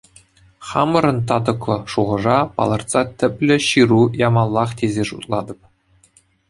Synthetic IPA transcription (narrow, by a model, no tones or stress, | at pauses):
χɑmɤ̆ɾɤ̆nt̪ɑd̪ɤ̆klˠɤ̆ʂuʁɤ̆ʐɑpɑ̰lˠɑrt̪sɑt̪ʲɘ̆pʲlʲɘ̆ɕirujɑmɑlˠːɑχt̪ʲezʲeʂut̪lˠɑd̪ɤ̆p̚